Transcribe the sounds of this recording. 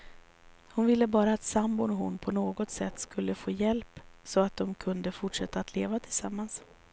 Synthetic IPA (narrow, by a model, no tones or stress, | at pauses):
hʊnvɪlːəbɑːɾaːt̪sambʊnɔɦʊnpʰɔnoːɡɔt̪sɛt̪ːskɵlːəfoːjɛlpsɔat̪̚d̪ɔmkʰɵnd̪əfʊʈʂɛt̪ːaːt̪ʰleːvat̪ʰɪlsamːans